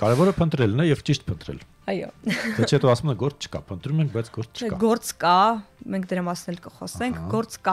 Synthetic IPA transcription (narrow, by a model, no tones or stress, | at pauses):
kɑɾɛvɔɾəpʰənt̪ɾɛlnɛjɛvt͡ʃiʃt̪pʰənt̪ɾɛ̰l | ɑjɔ̰ɛt͡sʰhɛt̪ɔɑsumɛɡɔɾt͡st͡ʃʰə̥kɑ̰pʰənt̪ɾumɛŋk̚ʰbɑjt͡sʰɡɔɾt͡sʰt͡ʃʰəkɑɡɔɾt͡skɑmɛŋkʰd̪əɾɑmɑsnɛlkəχɔ̰sɛŋkʰɡɔɾt͡skɑ